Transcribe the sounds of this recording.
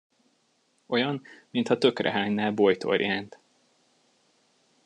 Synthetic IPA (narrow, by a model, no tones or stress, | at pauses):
o̞jɒnmint̪hɒt̪ø̞krɛ̰ɦaːɲnaːlbojt̪ʰo̞̰rjaːnt̪